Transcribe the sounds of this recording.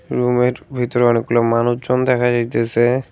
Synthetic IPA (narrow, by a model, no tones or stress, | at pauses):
ɾumeɾbʱit̪oɾeɔnek̚ɡulomanuʃd͡ʑond̪ɛkʰad͡ʑajt̪esʰe